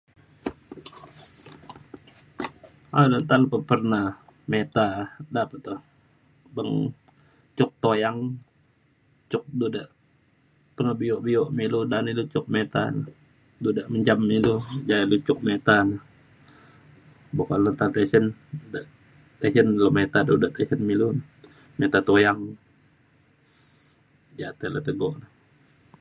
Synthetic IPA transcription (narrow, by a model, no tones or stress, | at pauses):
adənt̪aləpəpərnamet̪adapət̪o | bəŋ | t͡ʃʊk̚t̪ojaŋ | t͡ʃʊk̚dudaʔ | pəŋəbioʔmioʔmiludanilut͡ʃʊk̚met̪a̰n | dudaʔməɲd͡ʒamilud͡ʒailut͡ʃʊk̚met̪anə | bokaʔlət̪at̪esəndəʔ | t̪esənlomet̪adudaʔt̪esənmilun | met̪at̪ojaŋ | d͡ʒat̪ələt̪əɡɔʔnə